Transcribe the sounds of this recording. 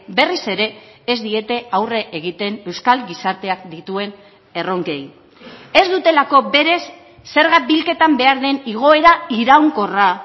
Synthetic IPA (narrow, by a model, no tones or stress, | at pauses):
be̞rise̞ɾe̞ːzd̪ie̞t̪e̞awre̞ʔeɣ̞it̪e̞ne̞wskalɡisaɾt̪e̞akd̪it̪ue̞n | e̞ro̞ŋke̞j | e̞zd̪ut̪e̞lako̞be̞ɾe̞sː | e̞ɾɣ̞abilke̞t̪ambe̞aɾðe̞niɣ̞o̞e̞ɾaiɾawŋko̞ra